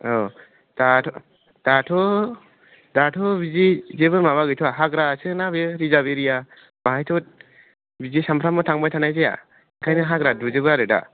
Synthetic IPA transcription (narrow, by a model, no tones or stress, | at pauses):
ɔ | d̥atʰɔ | d̥atʰɔ | datʰɔbizizeβɯmaβaɡɯjtʰɔaɦaɡɾasɯnabɯɾizabeɾija | baɦajtʰɔt̚ | bizisampʰɾamɯtʰaŋbajtʰanajzeja̰ | iŋkʰajnɯɦaɡɾaduzɯbɯaɾɯda̰